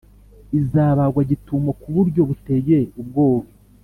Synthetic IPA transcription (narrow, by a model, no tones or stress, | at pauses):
izaːβaɡwaɟituːmokuβuɾɟo̞βuteje̞ub̚ɡo̞ːβi